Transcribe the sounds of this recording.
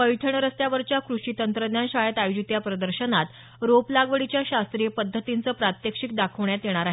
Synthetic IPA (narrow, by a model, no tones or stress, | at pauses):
pəjʈʰəɳɾəst̪jaʋəɾt͡ɕjakɾuɕit̪ənt̪ɾəd̪njanɕajet̪ajud͡ʑit̪japɾəd̪əɾɕənat̪ | ɾoplaɡʋəɽit͡ɕjaɕast̪ɾijepəd̪ʱːət̪int͡səːpɾat̪jəkʂik̚d̪akʰəʋɳjat̪jeɽ̃aɾaɦ